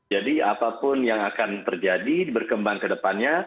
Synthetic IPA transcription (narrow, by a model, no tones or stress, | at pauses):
d͡ʒadia̰papʊnjaŋakant̪ərd͡ʒadibərkəmbaŋkədəpanɲa